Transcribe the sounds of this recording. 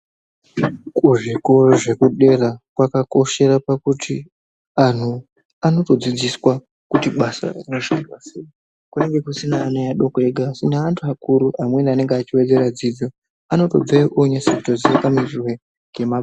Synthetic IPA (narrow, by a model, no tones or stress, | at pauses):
kuʐikoʐe̞kuɗe̞rakwakako̞ʃe̞rapakutʰi | an̤u | ano̞to̞d͡zid͡ziswa | kutiɓasa̰inoʃadwasei | kune̞ŋɡe̞kusinaːnajaɗokeɡʱasinaantʰuakuɾuʔamwe̞nane̞ŋɡeat͡ʃiwe̞d͡ze̞ɾad͡zid͡zo̞ | ano̞to̞b͡veiʔoɲasiktod͡ziakamirirwe̞ | ŋɡe̞ma